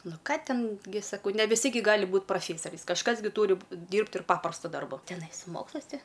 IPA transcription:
ˈnʊ ˈkɑː ˈtʲɛn ɡʲɪ ˈsɑːkɐʊ nʲɛ ʋʲɪˈsʲɪ ɡʲɪ ˈɡɑːlʲɪ ˈbuːt prɐˈfʲeːsɐrʲɛɪs kɐʃˈkɐs ɡʲɪ ˈtuːrʲɪ ˈdʲiːrpt ɪr ˈpɑːprɐstɐ ˈdɐrbɐ tʲɛˈnɐɪ sʊ ˈmoːkslˠɐɪs ˈtʲɪ

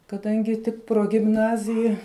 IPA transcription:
kɐˈdɐŋʲɡʲɪ ˈtʲɪk proːɡʲɪmˈnɑːzʲɪjɛ

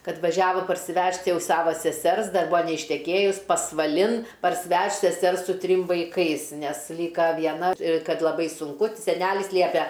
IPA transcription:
ˈkɐt ʋɐˈʒʲæːʋoː pɐrʲsʲɪˈʋʲɛʃt ˈjɛʊ ˈsɑːʋoː sʲɛˈsʲɛrs ˈdɐr ˈbuɔ nʲɛɪʃʲtʲɛˈkʲeːjʊs pɐsʋɐˈlʲɪn pɐrʲsʲɪˈʋʲɛʃt sʲɛˈsʲɛrs sʊ ˈtʲrʲɪm ʋɐɪˈkɐɪs ˈnʲɛs ˈlʲiːkɐ ʋʲiɛˈnɐ ˈkɐt lˠɐˈbɐɪ sʊŋˈkʊ sʲɛˈnʲæːlʲɪs ˈlʲiɛpʲɛ

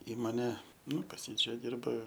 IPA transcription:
ˈiːmoːnʲɛ ˈnʊ pɐs ˈjiː ˈt͡ʃʲɛ ˈdʲɪrbɐ

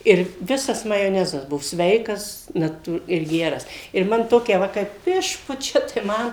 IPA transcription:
ˈɪr ˈʋʲɪsɐs mɐjoːˈnʲæːzɐs ˈbuɔ ˈsʲʋʲɛɪkɐs nɐˈtuː ɪr ˈɡʲæːrɐs ɪr ˈmɐn ˈtoːkʲɛ ˈʋɐ kɐɪp ˈɪʃpʊt͡ʃʲɛ tɐɪ ˈmɐn

